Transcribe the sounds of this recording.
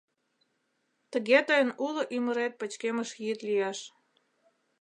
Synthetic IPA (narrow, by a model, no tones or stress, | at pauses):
t̪əɣet̪əjənuloʔyməɾet̪̚pət͡ɕkeməʃjit̪lijeʃ